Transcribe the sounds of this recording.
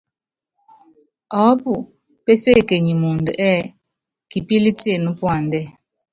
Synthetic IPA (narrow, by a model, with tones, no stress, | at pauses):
ɔ˨˦pu˨ | pe˦se˦˨ke˨ɲi˨mu˨ndə˨ʔɛː˦˨ | ki˨pi˦li˦ti˦e˦˨nu˦pwa˦˨ndɛ˦˨